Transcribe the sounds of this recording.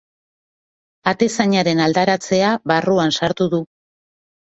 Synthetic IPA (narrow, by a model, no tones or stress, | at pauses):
at̪e̞saɲaɾe̞nald̪aɾat͡se̞aβaruansaɾt̪uðu